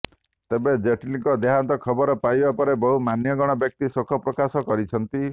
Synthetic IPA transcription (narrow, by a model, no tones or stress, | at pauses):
t̪ebed͡ʒeʈinikɔd̪eɦant̪ɔkʰɔbɔɾɔpajbapɔɾebɔɦumanjɔɡɔɽ̃ɔbjɔk̚t̪isokʰɔpɾɔkasɔkɔɾit͡ʃʰɔnt̪i